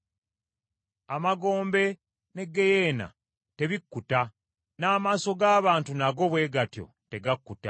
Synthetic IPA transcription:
amaɡo̞ːmbe̞ | ne̞ɡe̞je̞ːna̰ | te̞βikːuta | naːmaːso̞ɡaːβaːntunaɡo̞βwe̞ːɡatjo̞̰te̞ɡakːuta̰

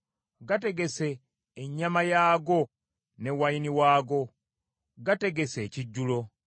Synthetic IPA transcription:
ɡate̞ɡe̞se̞ː | ɲːamajaːɡo̞ | ne̞wainiwaːɡo̞ | ɡate̞ɡe̞se̞ːciɟːulo̞

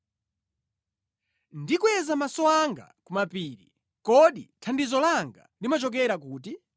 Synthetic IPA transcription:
ndikuwɛzamasɔaŋɡa̰kumapiːɾi | kɔɗitʰandizɔlaŋɡa̰limat͡ʃɔk̬ɛɾakuːt̬i

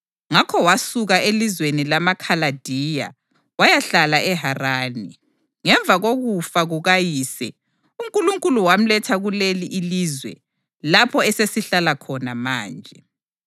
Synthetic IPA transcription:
ŋakʰɔwasuɣaelizwenilamakʰalad̥ʱiːja̰ | wajaɬalaʔɛɦaraːni | ŋɛɱbvʱaɣoɣufaɣuɣajiːsɛ | um̩kʼuluŋkʼuluwam̩lɛtʰaɣuleliʔilizwɛ̰ | lapʰɔɛsesiɬalakʰɔnamaːnd͡ʒʱɛ

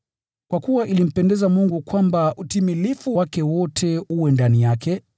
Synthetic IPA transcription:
kwakuwaʔilim̩pɛndɛzamuŋɡukwambaʔutimilifuwakɛwɔtʰɛuwɛndanijakɛ

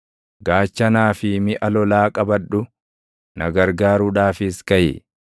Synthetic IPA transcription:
ɡaːt͡ʃːɐnaːfɪmɪʔɐlɔlaːkʼɐbɐᶑːʊ | nɐɡɐɾɡaːɾuːᶑaːfɪskɐjɪ̰

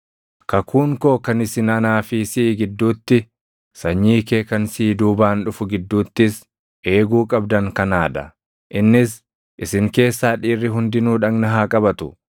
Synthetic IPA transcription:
kɐkʰuːŋkoːkɐnɪsɪnɐnaːfisɪːɡɪd̪ːuːt̪ːɪ | sɐɲːiːkeːkɐnsiːd̪uːbaːnᶑʊfʊɡɪd̪ːuːt̪ːɪs | ʔe̞ːɡuːkʼɐbd̪ɐŋkɐnaːᶑɐ | ʔɪnːɪs | ʔɪsɪŋke̞ːsːaːᶑiːrːɪɦʊnd̪ɪnuːᶑɐŋnɐɦaːkʼɐbɐt̪ʊ̥

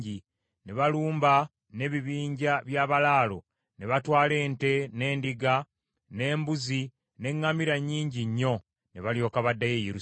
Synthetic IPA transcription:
i | neβaluːmba | ne̞βiβiːɲɟaβjaːβalaːlo̞̰ | ne̞βatwaːle̞ːnte̞ne̞ːndiɡa | ne̞ːmbuzi | ne̞ŋːamiɾaɲːiːɲɟiɲːo̞ | neβaljo̞ːkaβadːajejeɾu

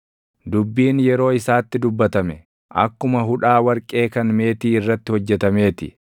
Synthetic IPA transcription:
d̪ʊbːiːnjɛɾo̞ːɪsaːt̪ːɪd̪ʊbːɐt̪ɐmɛ | ʔɐ̰kːʊmɐɦʊᶑaːwɐɾkʼe̞ːkɐnme̞ːt̪iːɪrːɐt̪ːɪhɔd͡ʒːɛt̪ɐme̞ːt̪ɪ̰

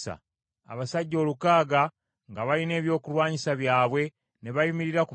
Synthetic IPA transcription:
sa̰ | a̰βasaɟːo̞ːlukaːɡa | ŋɡaβaline̞ːβjo̞ːkulwaːɲisaβjaːβwe̞ | ne̞βajumiɾiɾaku

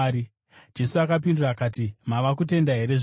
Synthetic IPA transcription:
i | d͡ʒe̞suakap̬induraːkaːt̬imaʋakute̞ndaɦe̞ɾe̞ʐ

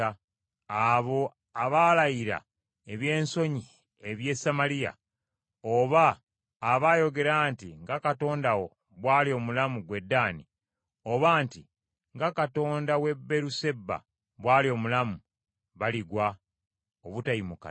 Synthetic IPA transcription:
aβo̞ | aβalajiɾa̰ | e̞βje̞ːnso̞ɲi | e̞βje̞samalija̰ | oβaː | βajo̞ɡe̞ɾaːntiŋɡakato̞ːndawo̞ | βwaːlio̞mulamuɡwe̞dːaːni | o̞βaːnti | ŋɡakato̞ːndawe̞bːe̞ɾuse̞bːa̰ | βwaːlio̞mulamu | βaliɡwa | oβutaimuka̰

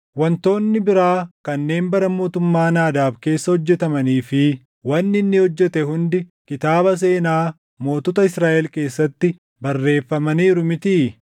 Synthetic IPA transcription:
wɐnt̪o̞ːnːɪbɪɾaːkɐnːe̞ːnbɐɾɐmo̞ːt̪ʊmːaːnaːd̪aːbke̞ːsːɐhɔd͡ʒːɛt̪ɐmɐniːfɪ | wɐnːɪnːɪhɔd͡ʒːɛt̪ɛɦʊnd̪ɪkɪt̪aːbɐs̬e̞ːnaː | mo̞ːt̪ɔt̪ɐɪsɾaːʔɛlke̞ːsːɐt̪ːɪ | bɐrːe̞ːfːɐmɐniːɾʊmɪt̪iː

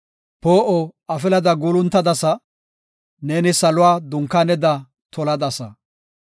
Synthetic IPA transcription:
poːʔɔɐfɪlɐd̪ɐɡuːlʊnt̪ːɐd̪ɐsɐ | neːnɪsɐlʊwaːd̪ʊŋkːaːnɛd̪ɐ | t̪ʰɔlɐd̪ɐsɐ̰

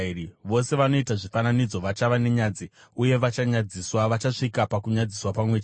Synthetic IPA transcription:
iʋo̞se̞ʋano̞itaʐifananid͡zo̞ʋat͡ʃaʋane̞ɲaːd͡ziuje̞ʋat͡ʃaɲad͡ziswaʋat͡ʃaʂikapakuɲad͡ziswapamwet͡ʃː

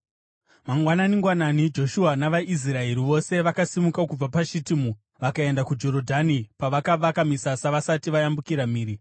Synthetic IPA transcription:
maŋɡwananiŋɡwananid͡ʒo̞ʃuanaʋaʔis̬rae̞ɾiʋo̞se̞ʋakasimukakub͡vapaʃitimu | ʋakae̞ndakud͡ʒo̞ɾo̞dʱanipaʋakaʋakamisasaʋasatiʋajambukiɾamiːɾi

